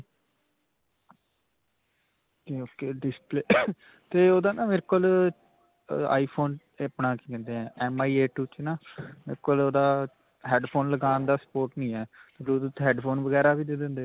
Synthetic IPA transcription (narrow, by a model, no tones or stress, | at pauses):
keːoːkeːɖɪspleː | t̪eːoːd̪aːnaːʋeːɾekol | a̰ːiːpʰoːn | pnaːkikɛ̃ːnd̪eːɛ̃ːɛːmaːiːeːʈuːt͡ʃnaːmeɾkoloːd̪aː | ɦɛːɖpʰoːnləɡaːnd̪aːsə̥poːɾʈnĩːɛːɾuːd̪ət̪ɦɛːɖpʰoːnʋəɡɛːɾaːbiːd̪eːd̪ẽːnd̪eː